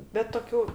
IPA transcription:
bʲɛt toːˈkʲuː

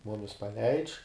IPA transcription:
ˈmʊmʲɪs pɐˈlʲɛɪt͡ʃ

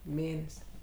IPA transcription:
ˈmʲeːnʲɛsʲ

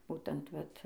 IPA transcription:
ˈbuːtʲɛnt ˈʋɐt

